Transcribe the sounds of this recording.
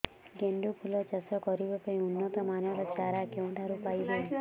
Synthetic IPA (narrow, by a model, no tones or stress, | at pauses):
ɡeɳɖupʰulɔt͡ʃɔsɔkɔɾibɔpeĩunːɔt̪ɔmanjɔɾɔt͡ʃaɾakew̃ɳʈʰaɾupajbɔ